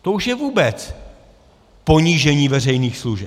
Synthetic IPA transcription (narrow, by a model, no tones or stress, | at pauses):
t̪ouʃjɛvuːbɛt͡s | po̞ɲiːʒɛɲiːvɛrɛjniːxsluʒɛ